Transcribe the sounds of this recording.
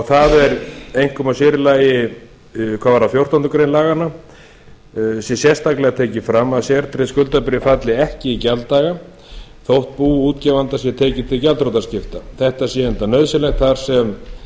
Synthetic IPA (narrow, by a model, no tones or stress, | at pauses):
θaðɛɾejŋ̥kʰɔmasɪɾɪlaːjɪ | kʰvavaɾafjowr̥t̪ɔnt̪ʏkɾejnlaːɣanːa | sjɛsjɛst̪aklɛɣat̪ʰeːcɪfɾamːaðsjɛɾt̪ʰɾeskʏlt̪apɪɾɪfat̪lɪɛhcɪicɛlt̪aːɣa | θowht̪̚puːuːt̪cɛvant̪asjɛt̪ʰeːcɪt̪ʰɪlcalt̪ɾowt̪ascɪft̪aθɛht̪asjɛɛnt̪anœðsɪlɛxt̪θaɾ̥sɛm